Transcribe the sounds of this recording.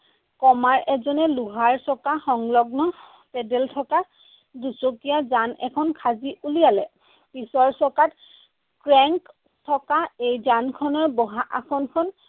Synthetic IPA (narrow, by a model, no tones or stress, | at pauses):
kɔmaɹɛzɔnɛluɦaɹsɔkaxɔŋlɔɡnɔ | pɛdɛltʰɔka | dusokijazanɛ̰kʰɔnkʰaziʔulijalɛ | pisɔɹsɔkat | kɹɛŋk | tʰɔkaejzankʰɔnɔɹbɔɦaʔakʰɔnkʰɔn